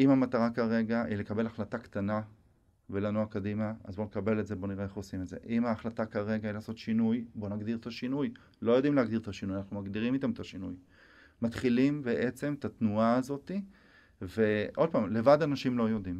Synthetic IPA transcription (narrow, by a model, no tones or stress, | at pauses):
imamat̪aʁakaʁe̞ɡaʔile̞kabe̞laχlatakt̪ana | velanuakadimaa̰zbo̞nekabe̞letze̞bo̞niʁeeχosimedze̞̰ʔimaːχlat̪akaʁe̞ɡailaːso̞t̪ʃinujbo̞naɡd̪iʁt̪aʃinuj | lo̞jo̞d̪imleaɡd̪iʁt̪aʃinujanaχnumaɡd̪iʁimit̪amet̪aʃinuj | mat̪χilimbe̞ʔe̞t͡se̞mt̪at̪nuaːzo̞t̪i | ve̞ʔo̞d̥̪̚paːmle̞vad̪anaʃimlo̞jo̞d̪im